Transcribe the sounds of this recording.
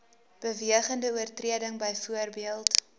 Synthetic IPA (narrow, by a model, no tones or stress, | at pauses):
b̥əviəχəndəuərtriədəŋbəjfuərbiəlˠt